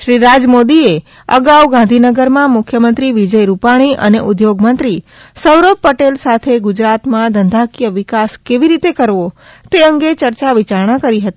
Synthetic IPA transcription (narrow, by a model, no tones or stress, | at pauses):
ʃɾiɾad͡ʒmod̪ie | ə̰ɡawɡãnd̪ʱinəɡəɾmãmʊkʰjəmənt̪ɾiʋid͡ʒəjɾupaɽ̃iʔə̰neʔʊd̪joɡmənt̪ɾi | səwɾobpəʈelsat̪ʰeɡʊd͡ʒɾat̪mãd̪ənd̪ʱakijəʋɪkaskeʋiɾit̪ekəɾʋo | t̪eəŋɡet͡ʃəɾt͡ʃaʋit͡ʃaɾɳ̃akəɾiɦət̪i